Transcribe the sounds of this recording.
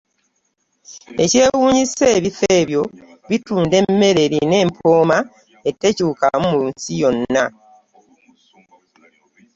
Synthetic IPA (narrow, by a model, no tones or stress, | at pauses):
e̞ce̞ːwuːɲise̞ːβifeːβjo̞ | βituːnde̞mːe̞ɾe̞ɾine̞ːmpʰo̞ːma | e̞tːe̞cuːka̰mumunsijo̞nːa